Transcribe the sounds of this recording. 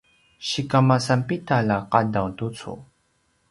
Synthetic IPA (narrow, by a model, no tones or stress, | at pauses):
ɕikamasampitalaqadawtut͡sṵ